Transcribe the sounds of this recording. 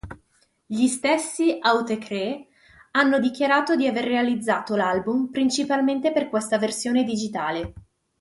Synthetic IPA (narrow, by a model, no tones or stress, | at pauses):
ʎist̪esːiawt̪ekʰɾe | anːod̪ik̟jaɾaːt̪od̪iaverːealid̪zːaːt̪olalbumpɾint͡ʃipalment̪eperkwest̪aversjoːned̪id͡ʒit̪aːle